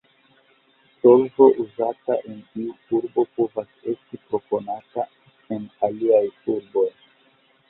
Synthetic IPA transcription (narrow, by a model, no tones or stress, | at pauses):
so̞lvo̞ʔuzataʔentiuuɾbo̞po̞vase̞stipɾo̞po̞nata | e̞naliajuɾbo̞j